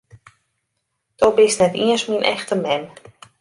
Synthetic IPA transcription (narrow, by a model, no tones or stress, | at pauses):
d̥ɔbɪstnɛtiəsminʔɛxtəmɛn